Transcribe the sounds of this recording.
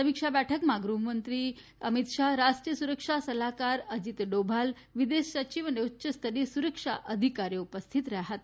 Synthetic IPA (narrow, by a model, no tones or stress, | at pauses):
əmikʂabæʈʰəkmaɡɾuɦmənt̪ɾiː | əmit̪ʂaɦɾaʂʈɾijəsuɾəkʂasəlakaɾəd͡ʑit̪ɖobʱal | ʋid̪esət͡ɕiʋəneutːɕəst̪ʰəɾisuɾəkʂa̰ʔəd̪ʱikaɾjeupəst̪ʰit̪ɾaɦat̪